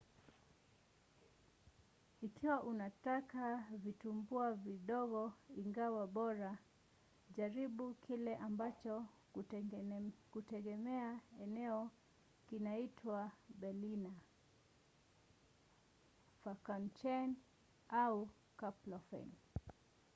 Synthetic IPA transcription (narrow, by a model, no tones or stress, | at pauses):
ikʰiwaʔunatakavitumbuaviɗɔɣɔiŋɡawaɓɔɾa | ʄaɾiɓukʰilɛʔambat͡ʃɔ | kutɛɠɛmɛaɛnɛɔ | kinaitʰwaɓɛlina | fakant͡ʃɛn | au | kaplɔfɛ̰n